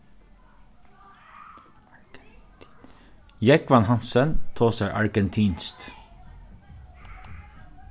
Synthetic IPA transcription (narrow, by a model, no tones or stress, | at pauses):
jɛkʋɑnhɑnsənt̪ʰoːsæʔɑɹɡɛnt̪ʰiːnst̪